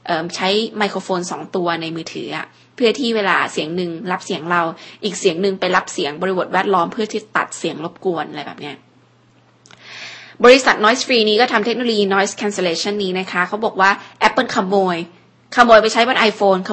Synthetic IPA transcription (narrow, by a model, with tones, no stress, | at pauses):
ʔɤː˨˩mt͡ɕʰa˦˥jma˧jkʰoː˧foː˧nsɔː˩˦ŋt̪u˧ɐna˧jmɯː˧t̪ʰɯ̰ː˩˦ʔa̰˨˩ | pʰɯ˥˩t̪ʰiː˥˩weː˧laː˧si˨˩˦əŋnɯ˨˧ŋɾa˦˥p̚si˨˩˦əŋɾa˧wʔiː˨˩k̚si˨˩˦əŋnɯ˧˩ŋpa˧jɾa˦˥p̚si˩˦əŋbɔ˧ɾi˦˥bo˨˩wɛː˥˩t̪̚lɔː˦˥mpʰɯ˥˩ɐt̪ʰiː˥˩t̪a̰˨˩t̪̚si˨˩˦əŋlo˦˥p̚ku˧ənʔa˧ɾa˧jbɛ̰ː˨˩p̚ni˦˥ɐ | bɔː˧ɾi˧˦˥sa˨˩t̪̚nɔː˦˥jsfɾiː˧niː˦˥kɔː˥˩t̪ʰa˧mt̪ʰe˦˥k̚noː˧lo˧jiː˧nɔː˦˥jskʰɛ˧nse˧leː˧˩t͡ɕʰa˥˩nːiː˦˥na˦˥kʰa˦˥kʰa˦˥wbɔː˨˩k̚waː˥˩ʔɛ˦˥pːɤ˥˩nkʰa˧mːoː˧j | kʰa˧moː˧jpa˧jt͡ɕʰa˦˥jbɔ˧nʔa˧jfoː˧nkʰ